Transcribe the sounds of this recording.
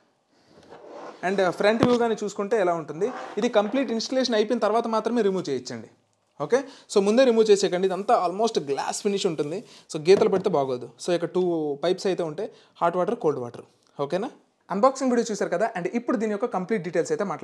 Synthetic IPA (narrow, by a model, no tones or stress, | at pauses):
ɐɳɖpʰɾeɳʈʋjuːɡaːneːt͡ʃuːsu̥kuɳʈe̞ːɛlaːuɳʈund̪iid̪ikɐmpliːʈinsʈɐleːʂ̬ɐnɐjp̬inɐt̪ɐɾʋaːt̪ɐmaːt̪ɾɐme̞ːɾimuːt͡ʃeːjit͡ʃːɐɳɖi | o̞ːke̞ːso̞ːmund̪e̞ːɾimuːt͡ʃeːsɛːkɐɳɖid̪ɐnt̪aaːlmo̞ːsʈɡla̰ːspʰiniʂuɳʈund̪iso̞ːɡɛːt̪ɐlɐpɐɽit̪eːbaːɡoːd̪usoːikːɐʈuːpɐjpsɐjt̪e̞ːuɳʈe̞ː | haːɾʈʋaːʈɐɾko̞ːlɖʋa̰ːʈɐɾu | o̞ːkeːnaː | ɐnbaːksiŋʋiːɽiot͡ʃuːsaːɾukɐd̪aːʔɐɳɖipːuɽud̪iːnijɔkːɐkɐmpliːʈ̚ɖiːʈe̞ːlsɐjt̪eːmaːʈla